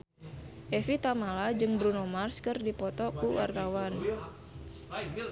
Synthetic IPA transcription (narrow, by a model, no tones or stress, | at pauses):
ʔɛfit̪amalad͡ʒɨŋbɾunomarskɨrdipɔt̪ɔkuwa̰rt̪awan